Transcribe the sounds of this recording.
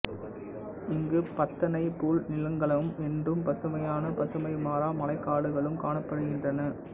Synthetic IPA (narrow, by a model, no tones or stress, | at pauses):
ɪŋɡɯpɐt̪ːɐnɐɪpuːɭnɪlɐŋɡɐɭɐɯmɛndrɯmpɐsɐmɐjaːnɐpɐsɐmɐɪmaːɾaːmɐlɐɪkːaːɽɯɣɐɭɯmkaːɳɐpːɐɽɯɣɪndrɐnɐ